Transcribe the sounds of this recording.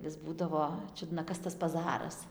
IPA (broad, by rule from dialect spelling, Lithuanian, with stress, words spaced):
ʋʲɪs ˈbuːdɐʋoː ˈt͡ʃʲʊdnɐ ˈkɐs tɐs pɐˈzɑːrɐs